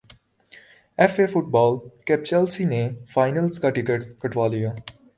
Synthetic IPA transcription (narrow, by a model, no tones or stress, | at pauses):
ɛfeːfʊʈ̚bɔːlkɛp̚t͡ʃɛlsinẽfaːɪnəlskaʈɪkeʈkɐʈʋaːlija